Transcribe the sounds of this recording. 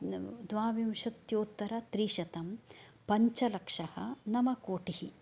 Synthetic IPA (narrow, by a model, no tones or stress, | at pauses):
d̪ʋaːʋimʃɐt̪joːt̪ːɐɾɐt̪ɾiːʃɐt̪ɐm | pɐɲt͡ʃɐlɐkʂɐhɐ̰nɐmɐkoːʈihi